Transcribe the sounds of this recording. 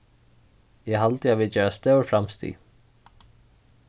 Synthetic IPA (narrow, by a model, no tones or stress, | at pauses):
jɛɦalt̪ɪaviðt͡ʃɛːɾast̪œwɾfɾamst̪ʰḭ